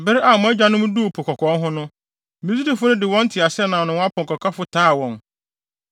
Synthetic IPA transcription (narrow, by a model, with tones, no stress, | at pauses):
bɪ˦ɾɪ˦ʔa˨mʊ̃˨æ˦d͡ʑᶣa˨nʊ̃˦m̃˦du˦o˨pʰo˨kʰɔ˨kʰɔ̃˨˦nɦʊ̃˦nʊ̃˦ | mĩ˨˦zi˦di˨fʊ˦nʊ̃˦dɪ˨wɔ̃˦n̩˦tʰɪ˨a˨sɪ˦ɛ˦nã˨nʊ̃˨w̃a˦pʰɔ̃˨ŋkɔ˨kʰa˦fʊ˦tʰaː˦˨wɔ̃˨n